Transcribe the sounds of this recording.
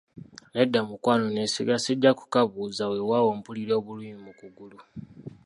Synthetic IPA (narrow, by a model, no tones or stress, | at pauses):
ledːamukwaːnonesḭɡaseɟːaku̥kaβuzawewawo̞ːmpuliɾo̞ːβuliːmimukuɡulu